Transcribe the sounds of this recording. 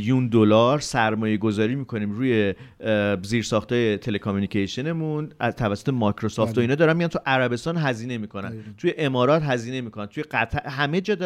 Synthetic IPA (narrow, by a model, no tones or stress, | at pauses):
jund̪olɒɾsæɾmɒːje̞ɡo̞zɒːɾiːmiːkʰo̞niːmɾuːje̞ | ziːɾsɒxt̪ɒːje̞t̪ʰe̞le̞kʰomjunicʰeʃene̞munt̪ʰævæsːot̪ʰemɒkɾosɒːft̪oinɒːd̪ɒːɾænmiɡænt̪ʰuʔæɾæbe̞st̪ɒːnɦæziːne̞miːkʰo̞næ̰nt̪ʰuːje̞ʔemɒːɾɒːt̪ɦæziːne̞miːkʰonænt̪ʰuje̞ɡæt̪ʰæɦæme̞d͡ʒɒːd̪